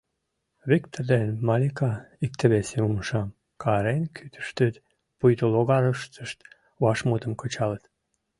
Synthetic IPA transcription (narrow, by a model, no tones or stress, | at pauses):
βikt̪ord̪enmɑlʲikɑik̚t̪ə̆βeseumʃɑm | kʰɑɾenkʰyt̪ə̥ʃt̪ət̪ | pujʲt̪oloɣɑɾəʃt̪əʃt̪ | uɑʃmut̪əmkət͡ɕɑlət̪